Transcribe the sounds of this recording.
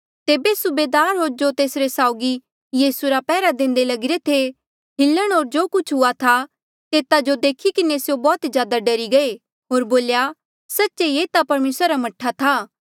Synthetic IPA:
t̪eːbesʊbeːd̪aːɾɦoːɾd͡ʒot̪eːsɾesaːʊɡi | jiːsuɾapɛːɾad̪ẽːnd̪elɐɡɪɾet̪ʰe | ɦɪlːəɽ̃ɦoːɾd͡ʒoːkʊt͡ʃʰɦʊat̪ʰa | t̪eːt̪ad͡ʒod̪eːkʰikɪnesjobɔːt̪d͡ʒjaːd̪aɖɐɾiɡɐe | ɦoːɾboːlja | sɐtːʃejeːt̪apɐɾmeːsɾaɾamɐʈʰat̪ʰaː

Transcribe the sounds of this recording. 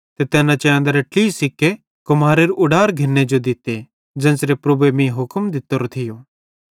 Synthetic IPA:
t̪et̪ɛːnãt͡ʃɛ̃ə̃nd̪aɾɐʈlisɪkːe | kʊmaːɾeɾʔʊɖaːɾɡʱɪnːed͡ʒod̪ɪt̪e | d͡ʒɛ̃ːnsɾepɾɐbuemĩɦʊkmd̪ɪt̪ːoɾot̪ʰɪjoː

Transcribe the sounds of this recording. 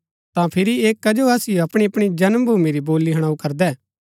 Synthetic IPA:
t̪ãpʰɪɾieːkːɐd͡ʒoɐsɪjoɐpɽ̃iɐpɽ̃id͡ʒɐnmbʱuːmeɾiboːlːiɦɐɽ̃aːukɐɾd̪ɛː

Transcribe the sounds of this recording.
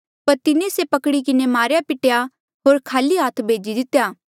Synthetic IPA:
pɐɾt̪ɪnẽsepɐkɽikɪnemaːɾjapɪʈja | ɦoːɾkʰaːliɦaːt̪ʰbʱeːd͡ʒid̪ɪt̪ːjaː

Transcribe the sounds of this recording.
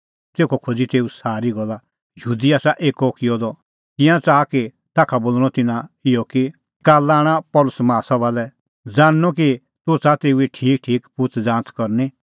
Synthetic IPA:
t̪eːkʰɔkʰod͡zit̪eːusaːɾiɡɔlːa | jəɦuːd̪iaːsaʔeːkɔkɪjɔd̪ɔ | kɪ̃jãt͡saːki | t̪aːkʰaboːlɽ̃ɔt̪ɪnãɪjɔki | kaːlaːɽ̃apɔlʊsmaːsabaːlɛ | d͡zaːñːɔk̬i | t̪ot͡sat̪eːueʈʰiːk̚ʈʰiːkpʊt͡sd͡zãːnt͡skɔɾni

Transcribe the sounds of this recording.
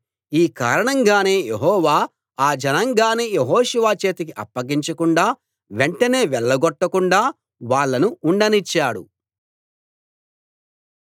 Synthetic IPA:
iːka̰ːɾɐɳɐŋɡaːne̞ːjeɦɔːʋaː | aːd͡ʒɐnɐŋɡaːneːjeɦɔːʃuʋaːt͡ʃe̞ːt̪ikiʔɐ̰pːɐɡiɲt͡ʃɐkuɳɖaː | ʋeɳʈɐne̞ːʋɛɭːɐɡɔʈːɐkuɳɖaː | ʋaːɭːɐnuːɳɖɐnit͡ʃːaːɽṵ

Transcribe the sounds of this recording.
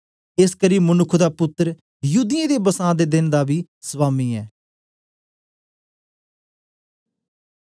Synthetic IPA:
ɪskəɾiːmʊnʊkʰd̪aːpʊt̪ːɾ | juːd̪ɪẽːd̪eːbəsãːd̪eːd̪ɪnd̪aːbiː | sʋaːmiːɛː

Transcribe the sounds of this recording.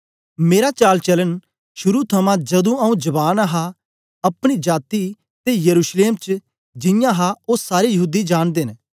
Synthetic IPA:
meːɾat͡ʃaːlt͡ʃɐlən | ʃʊɾut̪ʰɐmãd͡ʒɐd̪ũɐũd͡ʒɐbaːnaɦa | ɐpɽ̃id͡ʒaːt̪i | t̪ejəɾuːʃleːmt͡ʃ | d͡ʒɪ̃jãɦaʊsːaːɾijəɦuːd̪id͡ʒaːɽ̃d̪eːn

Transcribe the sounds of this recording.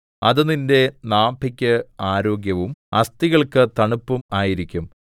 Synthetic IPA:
ɐðɨninde̞naːbʱikʲːɐaːɾo̞ːɡjɐʋumɐst̪iɣɐɭkɨt̪ɐɳupːumaːjiɾikʲːum

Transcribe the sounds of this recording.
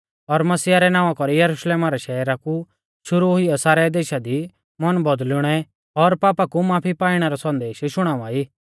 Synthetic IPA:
ɔɾmɐsiːaɾɛnãːʋakɔɾijɐɾuʃleːmaɾɛʃɛɾaku | ʃʊɾuɦiɔsaːɾɛd̪eːʃad̪i | mɐnbɔd̪lʊɽ̃ɛ | ɔɾpaːpakumaːpʰipaːiɽ̃ɛɾɔsɔ̃nd̪eːʃʃʊɽ̃aːʋaiː

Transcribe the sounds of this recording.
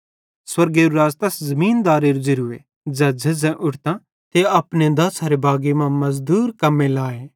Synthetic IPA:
swɐɾɡeːɾuɾaːzt̪ɐszɐmĩːnd̪aːɾeɾud͡ʒɪɾʊḛ | d͡ʒaːd͡ʒɐzɛ̃ʔʊʈʰt̪ã | t̪eɐpned̪ɐsaɾebʱaːɡemãmɐzd̪uːɾkɐmːẽlaːeː

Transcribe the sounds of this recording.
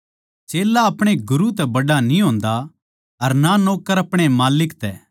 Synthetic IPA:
t͡ʃeːlaɐpɽ̃eɡʊɾut̪ɛbɐɽanĩɦõːnd̪a | ɐɾnanoːkəɾɐpɽ̃emaːlɪkt̪ɛː

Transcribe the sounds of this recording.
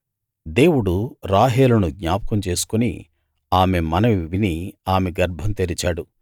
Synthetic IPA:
d̪e̞ːwuɽuɾaːɦeːlɐnuɡɲaːpɐ̥kɐmt͡ʃe̞ːsu̥kunḭ | aːme̞mɐnɐʋiʋiniaːmeɡɐɾbʱɐmt̪eɾit͡ʃaːɽu

